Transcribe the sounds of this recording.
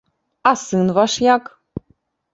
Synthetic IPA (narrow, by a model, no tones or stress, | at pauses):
asɨnvaʃjak